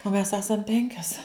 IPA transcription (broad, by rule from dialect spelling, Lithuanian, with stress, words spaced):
oː mʲɛs ˈæːsɐm ˈpʲɛŋʲkʲɛs